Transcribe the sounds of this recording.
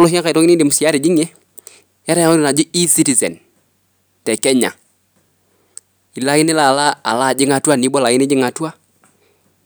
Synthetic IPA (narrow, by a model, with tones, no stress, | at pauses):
lʊ˦ɦi˦ŋa˦ka˨i˨tɔ˦ŋɪ˦ni˦ndi˨mʊ˨si˨ja˦ɾi˨d͡ʒi˦ŋɛ˦ | ja˦ɾɛ˦a˨ŋo˦ɾɪ˨na˨d͡ʒʊ˦i˦si˦ti˨zɛ̰˨n | tɛ˨kɛ˦ɲa̰˨ | i˨la˦ɪ˦nɪ˦la˨la˦a̰˨la˦˨d͡ʒɪ˦ŋa˨tu˦a˦˨ni˨˦bɔ˦la˨jɪ˦nɪ˦d͡ʒɪ˦ŋa˨tu˦a˦